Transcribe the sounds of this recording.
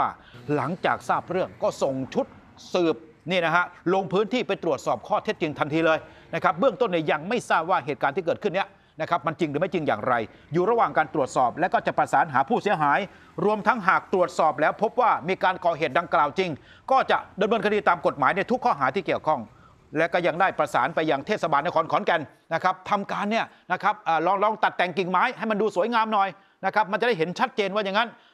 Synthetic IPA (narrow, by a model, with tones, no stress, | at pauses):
aː˥˩ | la˩˦ŋt͡ɕaː˨˩k̚saː˥˩p̚ɾɯ˥˩əŋkɔː˥˩so˨˩ŋt͡ɕʰu˦˥t̪̚ | sɯː˨˩p̚ | niː˥˩na˦˥kʰa˦˥ʔlo˧ŋpʰɯː˦˥nt̪ʰiː˥˩pa˧jt̪ɾu˨˩ət̪̚sɔː˨˩p̚kʰɔː˥˩t̪ʰe˦˥t̪̚t͡ɕi˧ŋt̪ʰa˧mt̪ʰiː˧lɤː˧j | na˦˥˩kʰa˦˥p̚bɯ˥˩əŋt̪o˥˩nːiː˥˩ja˧ŋma˥˩jsaː˥˩p̚waː˥˩ɦeː˨˩t̪̚kaː˧nt̪ʰiː˥˩kɤː˨˩t̪̚kʰɯ˥˩nːi˦˥ɐ | na˦˥˩kʰa˦˥p̚ma˧nt͡ɕi˧ŋɾɯː˩˦ma˥˩jt͡ɕi˧ŋja̰ː˨˩ŋɾa˧j | juː˨˩ɾa˧waː˨˩ŋkaː˧nt̪ɾu˨˩ət̪̚sɔː˨˩p̚lɛ˦˥kɔː˥˩t͡ɕa˨˩pɾa˧saː˩˦nɦaː˩˦pʰuː˥˩si˩˦ɐɦaː˩˦j | ɾu˧əmt̪ʰa˦˥ŋɦaː˨˩k̚t̪ɾu˨˩ət̪̚sɔː˨˩p̬̚lɛː˦˥wpʰo˦˥p̚waː˥˩miː˧kaː˧nkɔː˨˩ɦeː˨˩t̪̚da˧ŋklaː˨˩wt͡ɕi˧ŋ | kɔː˥˩t͡ɕa˨˩ʔda˧mnɤː˧nkʰa˧diː˧t̪aː˧mko˨˩t̪̚maː˩˦jna˧jt̪ʰu˦˥kʰːɔː˥˩ɦaː˩˦t̪ʰiː˥˩ki˨˩əwkʰɔ˥˩ŋ | lɛ˦˥kɔː˥˩ja˧˩ŋdaː˥˩jpɾa˧saː˩˦npa˧jːaː˨˩ŋt̪ʰe˥˩t̪sa˧baː˧nːa˦˥˩kʰːnkʰɔː˩˦nkɛ˧n | na˦˥kʰa˦˥p̚t̪ʰa˧mkaː˧nːi˥˩ɐ | na˦˥kʰa˦˥p̚ʔaː˨˩lɔː˧ŋlɔː˧ŋt̪a˨˩t̪ːɛ˨˩ŋki˨˩ŋmaː˦˥jha˥˩jma˧nduː˧su˨˦əjŋaː˧mnɔː˨˩j | na˦˥kʰa˦˥p̚ma˧nt͡ɕa˨˩da˥˩jɦe˩˦nt͡ɕʰa˦˥t̪̚t͡ɕeː˧nwaː˥˩ja˨˩ŋːa˦˥n